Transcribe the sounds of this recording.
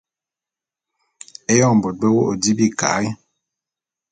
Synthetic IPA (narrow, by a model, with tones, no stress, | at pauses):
e˦jɔ˦˨m̩˨bɔ˨t̚bɛ˦wo˦ʔo˨di˦bi˦˨ka̰˨˦jɛ˦